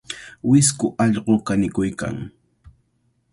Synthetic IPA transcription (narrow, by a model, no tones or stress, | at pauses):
wɪskʊʔɑʎɢokanɪkʊjka̰ŋ